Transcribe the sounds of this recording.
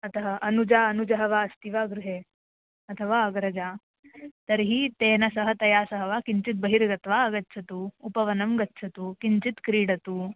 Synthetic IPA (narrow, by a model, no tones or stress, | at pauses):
ɐt̪ʰɐɦɐʔɐnud͡ʒaːɐnud͡ʒɐɦɐʋaːɐst̪iʋaːɡɾuɦeː | ɐt̪ʰɐʋaːɐɡɾɐd͡ʒaː | t̪ɐɾɦiːt̪eːnɐsɐɦɐt̪ɐjaːsɐɦɐʋaːkiɲt͡ʃit̪̚bɐɦiɾɡɐt̪ʋaːɐɡɐtːʃʰɐt̪uːupɐʋɐnɐmɡɐtːʃʰɐt̪uːkint͡ʃit̪kɾiːɽɐt̪uː